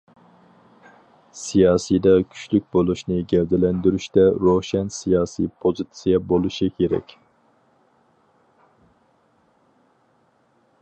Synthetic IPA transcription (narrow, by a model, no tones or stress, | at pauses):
sijɑːsijd̪ɑkʲʰy̥t͡ʃlyk̚ʲbolˠuʃnɨɡʲɛvd̪ɛlɛnd̪yɾyʃt̪ɛɾoʃɛnsijɑːsḭpʰozɨt̪sijɛbolˠuʃikʲʰeɾɛ̰kʲ